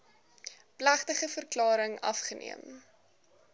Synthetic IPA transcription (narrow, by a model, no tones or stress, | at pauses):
plæχtəχəfərklɑːɾəŋɐ̰fχənʔḭəm